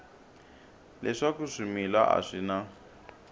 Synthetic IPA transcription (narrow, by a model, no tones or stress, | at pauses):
lɛʂakuʂimila̰ʔa̰ʂina